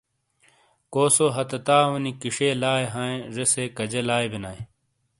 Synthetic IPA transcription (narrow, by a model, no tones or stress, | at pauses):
koːsoɦɐt̪ɐt̪aːwɐnikiʂeːlaːeɦãːẽʐesekɐd͡ʑelaːjbinaːe